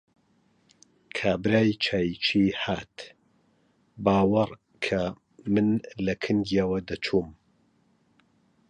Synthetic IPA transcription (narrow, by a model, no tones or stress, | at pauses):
kʰaːbɾaːjt͡ʃʰaːjt͡ʃʰiːhaːt̪ | baːwɐr | kʰɐ | mɨnlɐkʰɨnɡjɐwɐd̪ɐt͡ʃʰuːm